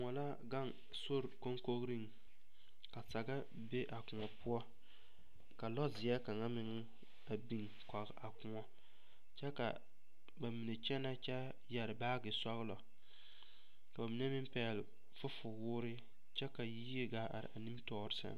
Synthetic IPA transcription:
ŋɔ˨la˦ | ɡa˦ŋ | so˦ɾko˦ŋko˦ɣɾi˦ŋ | ka˨sa˨ɡa˦ | be˦ʔa˨kʊ˨ŋɔ˨pʊ˦ɔ˦ | ka˨lɔ˦zɪ˨ja˦ka˨ŋa˦mɪ˨ŋɪ˦ | a˨bi˨ŋ | kɔ˨ɣʔa˨kʊ˨ŋɔ˦ | t͡ʃɛ˦ka̰˨ | ba˨mi˨nɛ˨t͡ʃɛ˦na˦t͡ʃɛ˦ | jɛ˨ɾɪ˨baː˦ɡɪ˨sɔ˦ɣɨ˦lɔ˨ | ka˨ba˨mi˨˦nɛ˦mɪ˦m˦pɛː˨lɪ˨ | fʊ˦fʊ˨wʊː˦ɾɪ˦ | t͡ʃɛ˦ka˨ji˦e˦ɡa˦a̰˨ɾɪ̰˨ʔa˨ni˦mtɔː˦ɾɪ˦sa̰˦

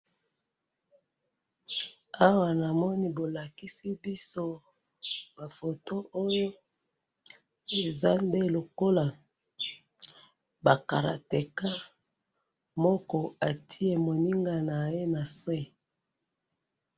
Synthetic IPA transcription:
a˦wa˨na˨mɔ˦ni˦bo˨la˨ki˦si˦bi˦so˦ | ba˨fo˨to˦ʔo˦jo˦ | e˨za˦nde˦lo˨ko˦la˨ | ba˨ka˨ɾa̰˨te˨ka˦ | mɔ˦kɔ˦a˨tʰi˦e˨mo˨ni˦ŋɡa˦na˨je˦na˨sɛ˦

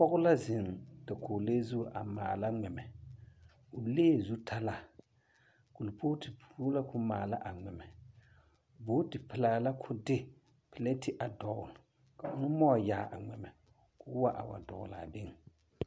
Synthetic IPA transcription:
pɔ˦ɣʊ˦la˦zɪ˨ŋda˨kʰʊː˨leː˦zu˦˨ʔa̰˨maː˨la˦ŋɛ˨mɛ˨ | ʊ˨leː˦˨zu˦tʰa˦la˦ | kʊ˨lpʰo˦tɪ˨pu˦la˦kʊ˦maː˨la˦ʔa˨ŋ͡mɛ˨mɛ˨ | boː˦tɪ˨pɪ˨laː˨la˦kʰʊ˦dɪ˦ | pɪ˨le˦tɪ˨ʔa˨dɔ˨ɣʊ˨l | ka˨ʔʊ˦nʊ˦mɔ˦˨jaː˨ʔa̰˨ŋ͡mɛ˨mɛ˨ | kʊ˦wa˦ʔa̰˨wa̰˨dɔ̰˨ɣʊ̰˨la̰˨bɪ˦ŋ˨

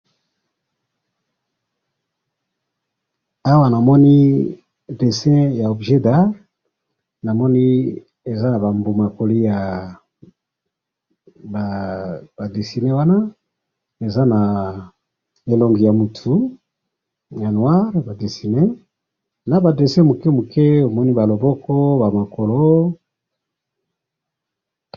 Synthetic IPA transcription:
a˦wa˦na˨mɔ˦ni˦ | de˨sɛ̃˦ja˨o˨bʒe˦da˦ʁ | na˨mɔ˦ni˦ | e˨za˦na˨ba˨mbo˨ma˨ko˨li˦ja˨ | ba˨ba˨de˨si˨ne˦wa˦na˦ | e˨za˦na˨ | e˨lo˨ŋɡi˨ja˨mu˨tʰu˨˦ | ja˨nwa˦ʁba˨de˨si˨ne˦ | na˨ba˨de˨sɛ̃˦mu˨kɛ˦mu˨kʰe˦o˨mɔ˦ni˦ba˨lo˨bɔ˦kɔ˦ba˨ma˨ko˨lo˦

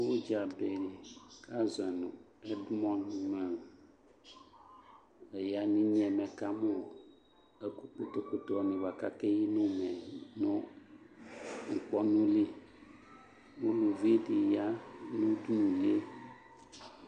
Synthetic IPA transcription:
wo˦d͡ʒa˨be˨ka˦zɛ˨nũ˨ | ɛ˦dmɔ̃˦nmɛ˨ | e˨ja˨nĩ˦ɲɛ̃˨mɛ̃˨ka˦mɔ̃˨ | e˦ku˦k͡po˦t̪o˦ko˨t̪ɔ˦˨nĩ˨va˨ka˦ke˦ji˦nũ˦mɛ̃˨nɔ̃˦ | ŋ̩˨k͡pɔ˦nũ˦li˦ | wo˦lo˨vi˦e˦di˨ja˦nũ˦du˦nũ˨li˦e˦

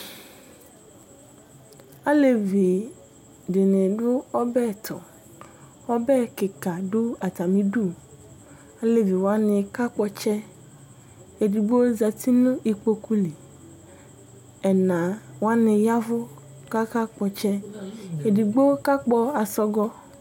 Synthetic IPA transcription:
a˦le˨vi˨ | dɪ˨nɪ˨ɖʊ˦ɔ˦bɛ˦˨t̪ʰɔ̰˨ | ɔ˦bɛ˦kɪ˨ka˨ɖʊ˦a˨t̪a˨mĩ˦du˦˨ | a˦le˨vi˨wo˨˦a˦nɪ̃˨ka˦k͡pɔ˨t͡ʃɛ˦ | e˨di˨ɡ͡bo˦za˨t̪ʰi˦nʊ̃˦i˨k͡po˦ku˦li˨ | ɛ˨nã˨wa˦nɪ̃˨ja˦vʊ˦ | ka˦ka˦k͡pɔ˨t͡ʃɛ˦e˨di˨ɡ͡bo˦ka˦k͡pɔ˦a˨sɔ˦ɡɔ˦

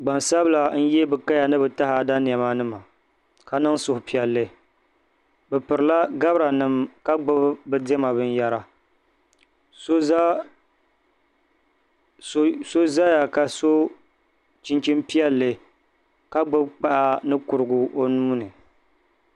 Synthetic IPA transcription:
ɡ͡ba˨nsa˦bɨ˦la˨n̩˦jɛ˦bɨ˨ka˦ja˨nɨ˦bɨ˨ta˦ha˨da˦ni˨ɛ˨ma˦nɨ˦ma˨ | ka˨nɨ˦ŋsʊ˨hʊ˨pi˦ɛ˨lːɨ˨ | bɨ˨pɨ˨ɾɨ˨la˦ɡa˦bɾa˨nɨ˦mka˦ɡ͡bʊ˦bbɨ˦de˦ma˨bɨ˦n˦ja˦ɾa˦ | so˦ | so˦za˦ja˨ka˨so˦ | t͡ʃi˦nt͡ʃi˦mpi˦ɛ˦lːɨ˨ | ka˦ɡ͡bʊ˦bk͡pa˦ʔa˦nɨ˦kʊ˨ɾɨ˨ɡʊ˨o˦nuː˦nɨ˨

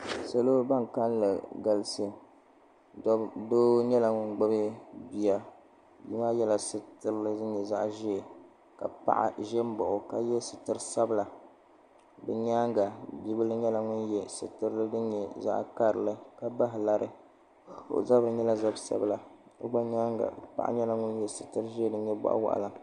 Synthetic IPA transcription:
sa˨lo˦ba˦ŋ˨ka˦n˦lɨ˨ɡa˨lɨ˦si˦˨˦ | doː˦ɲɛ˦la˨ŋʊ˦nɡ͡ba˦bɨ˦bi˨ja˦ | bḭ˦maː˦jɛ˦la˨sɨ˦tɨ˦ɾɨ˦lɨ˦dɨ˦ɲɛ˨za˦ʔʒɛ˦˨ | ka̰˨pa̰˦ʔa̰˨ʒɛ˦m˦bɔ˨ʔʊ˨ka˨jɛ˦sɨ˨tɨ˦ɾɨ˦sa˦bɨ˦la˨ | bɨ˨ɲa˦ŋɡa˨bi˦bɨ˦lɨ˦ɲɛ˦la˨ŋʊ˦njɛ˦sɨ̰˨tɨ˦ɾɨ˦lɨ˦dɨ˦ɲɛ˨za̰˦ʔka˦ɾɨ̰˨lɨ˦ka˨ba˦ɦɪ˨la˦ɾʔɨ̰˦ | o̰˨za˦bɾɨ˨ɲɛ˦la˦za˦bsa̰˦bla˨ɨ̰˦ɡ͡ba˦ɲa˦ŋɡa̰˨pa̰˦ʔa̰˦ɲɛ˦la˨ŋʊ˦n˦jɛ˨sɨ˨tɨ˦ɾʒe˦dɨ˦ɲɛ˦ba̰˦ʔa̰˦wa̰˨ʔa̰˨la˨

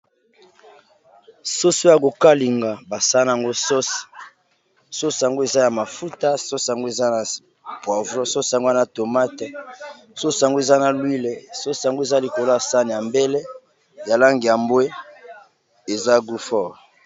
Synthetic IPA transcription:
so˦so˦ja˨ko˨ka˦li˨ŋɡa˨ba˨sa˦na˨a˨ŋɡo˦so˦s | so˦sa˨ŋɡo˦e˨za˦ja˨ma˨fu˦ta˦so˦sa˨ŋɡo˦e˨za˦na˨ | pwa˨vʁɔ˦so˦sa˨ŋɡo˦a˨na˦to˨ma˦tɛ˨ | so˦so˨a˨ŋɡo˦e˨za˦na˨lwi˦le˨so˦sa˨ŋɡo˦e˨za˦li˨ko˨lo˦ja˨sa˦ni˨ja˨mbɛ˦lɛ˦ | ja˨la˦ŋɡi˨ja˨mbwe˦ | e˨za˦ɡu˦fɔ˦˨ʁ

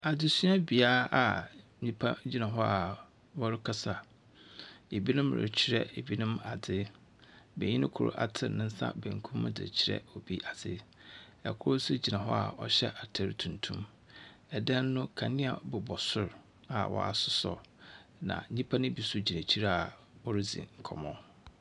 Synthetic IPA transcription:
a˨dɪ˨su˦a˦bi˨aː˦a˨ | ɲĩ˦pʰa˦d͡ʑi˦nã˨ɦɔ˦a˨ | wɔ˦ɾɪ˦kʰa˦sa˨ | e˨bi˦nʊ̃˦mɾɪ̰˨t͡ɕʰɪ˦ɾɛ˦e˨bi˦nʊ̃˦ma˨dɪ˦ | bɛ̰˨ɲĩ˦nɪ̃˦kʰʊ˦˨ɾʊ̰˦ʔa̰˨tʰɪ̰˨nɪ̃˦n̩˦sa̰˦bɛ̃˨ŋ̩˨kʰũ˦mm˦dɪ̰˨t͡ɕʰɪ˨ɾɛ̰˦ɔ˨bi˦ʔa˨sɪ̰˦ɛ˨kʰʊ˦ɾʊ˦sʊ˦d͡ʑi˨nã˨ɦɔ˦a̰˨ɔ˦ɕɛ̰˦ʔa˨tʰɛ˨ɾtʰũ˨ntʰṵ̃˦m | ɛ˨dɛ̃˦nː˦ʊ̃˦kʰa˨nɪ̃˦a˨bʊ˨bɔ˨sʊ˦˨ɾ | a˨wɔ̰˨a̰˨sʊ˦sɔ̰˨nã̰˨n̩˨ɲĩ˦pʰa˦nɪ̃˦bi˨sʊ˦d͡ʑi˨ne˨t͡ɕʰi˦ɾa˦˨a˨ | ɔ˦ɾɪ˦zḭ̃˨ŋ̩˨kʰɔ̰˨mɔ̃˦

